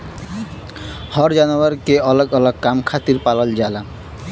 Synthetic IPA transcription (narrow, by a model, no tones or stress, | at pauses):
hɔɾd͡ʒanuaɾkeɔlɔɡɔlɔɡkːamkʰat̪iɾpalɔld͡ʑala